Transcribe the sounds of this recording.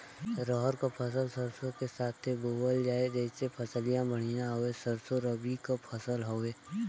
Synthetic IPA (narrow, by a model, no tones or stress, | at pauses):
ɾɔɦəɾkapʰəs̬əlsəɾsokesaːt̪ʰːeboːbəld͡ʒaːed͡ʒesepʰəsəlijãbɐɽ̤̃inaɦoesəɾsoɾəbikapʰəsəlɦoːeː